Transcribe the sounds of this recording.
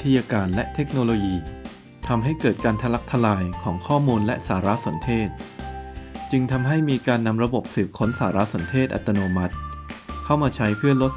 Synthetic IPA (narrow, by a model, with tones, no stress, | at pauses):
t̪ʰːa˧jaː˧kaː˧nlɛ˦˥ʔt̪ʰe˦˥k̚noː˧loː˧jiː˧ | t̪ʰa˧mɦa˥˩jkɤː˨˩t̪̚kaː˧nt̪ʰa˧la˦˥k̚t̪ʰa˧laː˧jkʰɔː˩˦ŋkʰɔː˥˩muː˧nlɛ˦˥ʔsaː˩˦ɾa˦˥so˩˦nt̪ʰeː˥˩t̪̚ | t͡ɕɯ˧ŋt̪ʰa˧mɦa˥˩jmiː˧kaː˧nːa˧mɾa˧bo˨˩p̚sɯː˨˩p̚kʰo˦˥nsaː˩˦ɾa˦˥so˩˦nt̪ʰeː˥˩t̪̚ʔa̰˨˩t̪ːa˧noː˧ma˦˥t̪̚kʰa˥˩wmaː˧t͡ɕʰa˦˥jpʰɯ˥˩ɐlo˦˥t̪̚